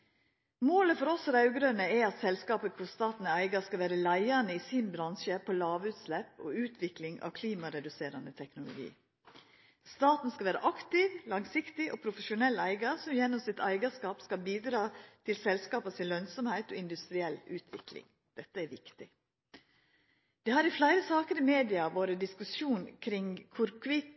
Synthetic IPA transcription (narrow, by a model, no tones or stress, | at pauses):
moːləfɔɾɔsɔd̪ɑʉɡɾœnəɛɑt̪sɛlskɑːpəkʰʊst̪ɑːt̪n̩əæɪɡɑskɑʋæːɾəlæɪɑnəiːsiːnbɾɑnʃəpʰolɑːʋʉːt̪slɛpo̰ʉːt̪ʰʋɪklɪŋɑ̰ʋkʰliːmɑɾɛd̪ʉseːɾɑnət̪ʰɛknʊlʊ̰ɡḭː | st̪ɑːt̪n̩skɑʋæːɾə̰ʔɑkt̪ɪʋlɑŋsɪkt̪ɪʔoːpʰɾʊfəʃʊnɛlːæɪɡɑsɔmjɛnːɔmsɪt̪æɪɡɑskɑːpskɑlbiːd̪ɾɑːt̪ʰɪlsɛlskɑːpɑsɪnlːœnsɔmhæɪt̪ɔ̰ːɪnd̪ʉst̪ɾɪɛlʉːt̪ʰʋɪ̰klɪ̰ŋ | d̪̥ɛt̪ːəæɾʋɪkt̪ɪ | d̪̥ɛːhɑɾɪflæɪɾəsɑːkəɾɪmeːd̪ɪɑʋoːɾəd̪ɪskʉsuːnkʰɾɪŋkʰʊɾkʰʋɪt̪